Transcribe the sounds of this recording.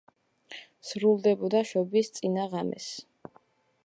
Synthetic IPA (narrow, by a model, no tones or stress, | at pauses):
sɾulˠd̪ɛbɔd̪aʃɔbist̪sʼinaʁamɛ̰s